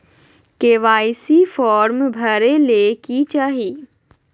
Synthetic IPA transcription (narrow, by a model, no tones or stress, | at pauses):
keːʋaːɪsifɔːɾmbʱɐɾelekit͡ʃaːɦiː